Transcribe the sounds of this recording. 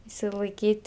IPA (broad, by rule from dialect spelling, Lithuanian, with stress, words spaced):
ɪʃʲsʲɪlˠɐɪˈkʲiːtʲ